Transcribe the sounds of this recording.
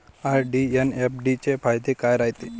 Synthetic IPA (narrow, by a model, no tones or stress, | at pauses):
aɾɖienepʰɖit͡ʃebʰajd̪ekajɾajt̪i